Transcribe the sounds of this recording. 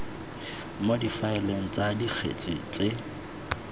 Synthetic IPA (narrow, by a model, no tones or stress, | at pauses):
modifaɪleŋ̩t͡sʼadik͡xʰḛt͡sʼɪt͡sʼe